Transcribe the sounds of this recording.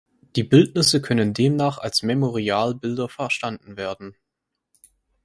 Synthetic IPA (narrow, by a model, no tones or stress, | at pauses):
d̥iːbɪltnɪsəkʰœnəndeːmnaːχalsmemoʁiaːlbɪldɐfɛɐʃtandn̩veːɐdn̩